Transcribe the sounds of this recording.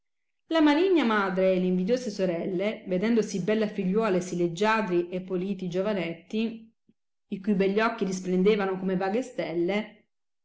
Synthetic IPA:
lamaliɲːamaːd̪ɾeːlːeiɱvid̪joːsesoɾɛlːeved̪ɛnd̪osibɛlːafiʎːwɔːlesiled͡ʒːaːd̪ɾiʔepːoliːt̪id͡ʒovanɛt̪ːi | ikujbɛʎːɔkːiɾisplend̪eːvanokomevaːɡest̪ɛlːe

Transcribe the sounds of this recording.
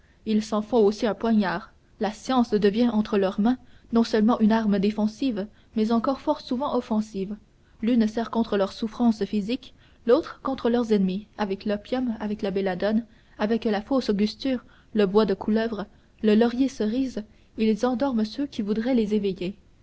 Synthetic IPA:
ilsɑ̃fɔ̃osiɛ̃pwaɲaːʁ | lasjɑ̃sd̪əvjɛ̃ʔɑ̃t̪χəlœʁmɛ̃nɔ̃sœlmɑ̃ʔynaʁməd̪efɑ̃siv | mɛzɑ̃kɔʁfɔʁsuvɑ̃ʔɔfɑ̃siːv | lynsɛʁkɔ̃t̪χəlœʁsufχɑ̃sfizik | lot̪χəkɔ̃t̪χəlœʁzɛnmiavɛklɔpjɔmavɛklabelad̪ɔn | avɛklafosoɡʲyst̪yːʁ | ləbwad̪əkʰulœvʁə | ləlɔʁjesəʁiz | elezɑ̃d̪ɔʁmsøkʲivud̪ʁɛlezeveje

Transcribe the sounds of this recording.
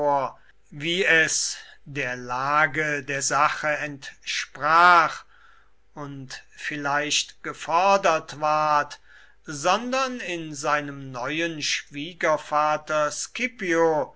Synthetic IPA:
ɐ | viːɛsdeːɐlaːɡədeːɐzaχəɛntʃpʁ̥aːχ | ʊntfɪlaɪʃtɡ̥əfɔɐdɐtv̥aɐt | zɔndɐnɪnzaɪnəmnɔʏənʃv̥iːɡɐfaːtɐskɪpio

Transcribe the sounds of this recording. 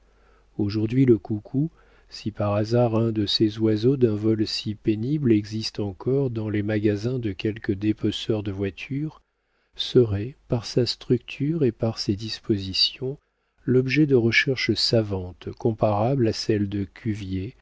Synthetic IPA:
oʒuʁd̪ɥiləkukʰu | sipaʁazaʁɛ̃d̪əsezwazod̪ɛ̃vɔlsipeniblɛɡzist̪ɑ̃kʰɔʁd̪ɑ̃lemaɡazɛ̃d̪əkʲɛlkəd̪epɔsœʁd̪əvwat̪ʰyʁ | səʁɛpaʁsast̪χykt̪ʰyʁepaʁsed̪ispozisjɔ̃ | lɔbʒɛd̪əʁəʃɛʁʃsavɑ̃t̪kɔ̃paʁablasɛld̪əkʲʰyvje

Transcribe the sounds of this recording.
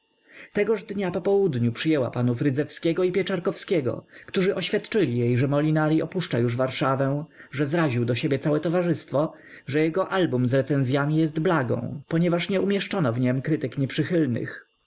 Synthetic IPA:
t̪ɛɡɔʐd̪ɲapɔpɔwud̪ɲupʂɘjɛwa̰panufɾɘd̪zɛfskʲɛɡɔipʲjɛt͡ʂaɾkɔfskʲɛɡɔ̰kt̪uʐɘʔɔɕfʲjat̪t͡ʂɘlʲijejʐɛmɔlʲinaɾʲiʔɔpuʂt͡ʂajuʐvaɾʂavɛ̃ʐɛzɾaʑiwd̪ɔɕebʲjɛt̪sawɛt̪ɔvaʐɘst̪fɔ | ʐɛjɛɡɔʔalbumzɾɛt̪sɛnzʲjamʲijɛst̪blaɡɔ̰̃w̃pɔɲɛvaʂɲɛumʲjɛʂt͡ʂɔnɔvɲɛmkɾɘt̪ɘkɲɛpʂɘxɘlnɘ̰x

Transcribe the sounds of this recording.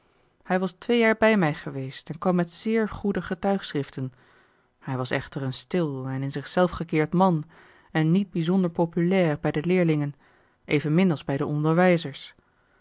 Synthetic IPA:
hɛjʋɑstʋejaːɹbɛjmɛjχəʋejstɛnkʋɑmːɛtsɪːɹχudəχətœɥχsrɪftən | hɛjʋɑsɛ̰χtərənstɪlˠɛnɪnzɪχsɛlˠfχəkɪːɹtmɑn | ɛnːid̚bizɔndəɹpopylɛːrbɛjdəlɪːɹlɪŋən | ʔejvənmɪnɑlˠzbɛjdəɔndəɹʋɛjzəɹs

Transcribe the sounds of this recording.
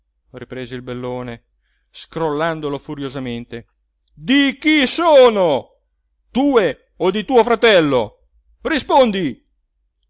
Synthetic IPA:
ripɾeːzeilbelːoːne | skɾolːand̪olofuɾjozament̪e | d̪ik̟isoːno | t̪uːe | od̪it̪uːofɾat̪ɛlːo | rispond̪i

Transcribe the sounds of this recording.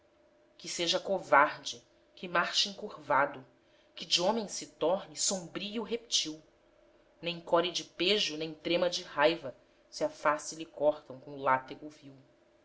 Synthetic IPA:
kɪseʒɐkovaɾd͡ʒɪ | kɪmaɾʃĩŋkuɾvad̪ʊ | kɪd͡ʒiõmẽj̃sɪt̪ɔɦnɪsõmbɾijʊɦep̚t͡ʃiw | nẽj̃kɔɾid͡ʒɪpeʒʊnẽj̃t̪ɾẽmɐd͡ʒɪhajvɐ | siɐfasilikɔɾt̪ɐ̃w̃kõʊlat̪eɡʊviw

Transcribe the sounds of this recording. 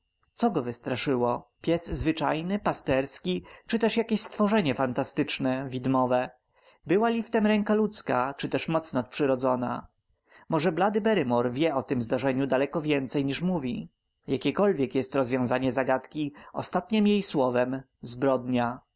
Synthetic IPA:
t̪sɔɡɔvɘst̪ɾaʂɘwɔpʲjɛsːvɘt͡ʂajnɘpast̪ɛɾskʲit͡ʂɘt̪ɛʂjakʲeɕst̪fɔʐɛɲɛfant̪ast̪ɘt͡ʂnɛvʲid̪mɔvɛ | bɘwalʲift̪ɛmɾɛŋkalut̪skat͡ʂɘt̪ɛʂmɔt̪snat̪̚pʂɘɾɔd̪zɔna̰ | mɔʐɛblad̪ɘbɛɾɘmɔɾvʲjɛɔt̪ɘmzd̪aʐɛɲud̪alɛkɔvʲjɛnt̪sɛjɲiʂmuvʲi | jakʲɛkɔlvʲjɛkjɛst̪ɾɔzvʲjɔ̃w̃zaɲɛzaɡat̪kʲiɔ̰st̪at̪ɲɛmjejswɔvɛm | zbɾɔd̪ɲa

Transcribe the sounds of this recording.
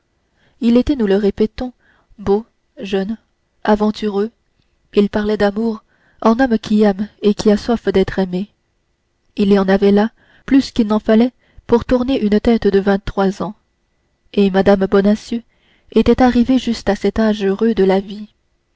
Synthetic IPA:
ilet̪ɛnuləʁepɛt̪ɔ̃ | bo | ʒœn | avɑ̃t̪ʰyʁø | ilpaʁlɛd̪amuʁ | ɑ̃nɔmkʲʰiɛmekʲiaswafd̪ɛt̪χɛme | ilijɑ̃navɛla | plyskʲilnɑ̃falɛ | puʁt̪uʁneʔynət̪ɛt̪d̪əvɛ̃t̪ːχwazɑ̃ | emad̪ambɔnasjø | et̪ɛt̪aʁiveʒyst̪asɛt̪aʒøʁød̪əlavi

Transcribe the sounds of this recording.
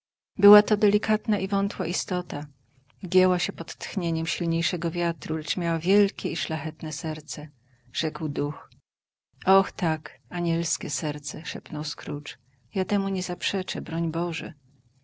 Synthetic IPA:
bɘwat̪ɔd̪ɛlʲikat̪naʔivɔnt̪waʔist̪ɔt̪a | ɡʲjɛwaɕɛpɔt̪ːxɲeɲɛmɕilɲejʂɛɡɔvʲjat̪ɾulɛt͡ʂmʲjawavʲjɛlkʲɛiʂlaxɛt̪nɛsɛɾt̪sɛ | ʐ̥ɛkwd̪ux | ɔxt̪akaɲɛlskʲɛsɛɾt̪sɛʂɛpnɔwskɾut͡ʂ | jat̪ɛmuɲɛzapʂɛt͡ʂɛbɾɔɲbɔʐɛ̰

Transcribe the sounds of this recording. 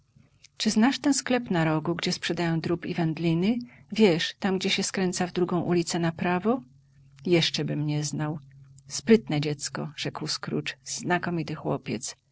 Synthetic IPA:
t͡ʂɘznaʂt̪ɛnsklɛpnaɾɔɡuɡd͡ʑɛspʂɛd̪ajɔ̃w̃d̪ɾupivɛnd̪lʲinɘvʲjɛʂt̪amɡd͡ʑɛɕɛskɾɛnt̪savd̪ɾuɡɔ̃w̃ʔulʲit̪sɛnapɾavɔ | jɛʂt͡ʂɛbɘmɲɛznawspɾɘt̪nɛd͡ʑɛt̪skɔ̰ʐ̥ɛkwskɾṵt͡ʂzːnakɔmʲit̪ɘxwɔ̰pʲjɛt̪s

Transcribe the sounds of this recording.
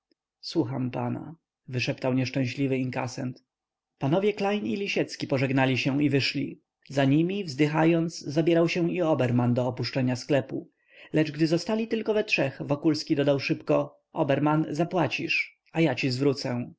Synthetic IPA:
swuxampa̰na̰ | vɘʂɛpt̪awɲɛʂt͡ʂɛ̃ɕlʲivɘiŋka̰sɛnt̪ | panɔvʲjɛklajnilʲiɕɛt̪skʲipɔʐɛɡnalʲiɕɛ̃ivɘʂlʲḭ | zaɲimʲivzd̪ɘxajɔnd̪szabʲjɛɾawɕɛ̃w̃iɔbɛɾmand̪ɔːpuʂt͡ʂɛɲasklɛpu | lɛd͡ʐɡd̪ɘzɔst̪alʲit̪ɘlkɔvɛtʂɛxvɔkulskʲid̪ɔd̪awʂɘpkɔ | ʔɔbɛɾmanzapwat͡ɕiʂ | ajat͡ɕizvɾut̪sɛ̃

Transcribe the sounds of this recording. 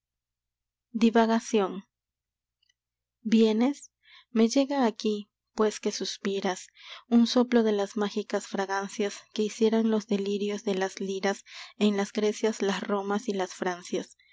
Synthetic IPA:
d̪iβaɣasjo̞n | bje̞ne̞s | me̞ʝe̞ɣaːki | pwe̞ske̞suspiɾasunso̞plo̞ðe̞lasmaxikasfɾaɣansjaske̞isje̞ɾonlo̞zðe̞liɾjo̞zðe̞lazliɾasenlazɡɾe̞sjaslasro̞masilasfɾansjas

